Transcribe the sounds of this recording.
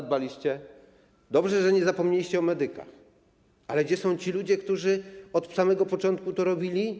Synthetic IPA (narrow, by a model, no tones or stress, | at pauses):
d̪̚balʲiɕt͡ɕɛ | d̪ɔbʐɛʐɛɲɛzapɔmɲelʲiɕt͡ɕɛɔmɛd̪ɘka̰x | alɛɡd͡ʑɛsɔ̃w̃t͡ɕilud͡ʑɛkt̪uʐɘɔt̪samɛɡɔpɔt͡ʂɔnt̪̚kut̪ɔɾɔbʲilʲi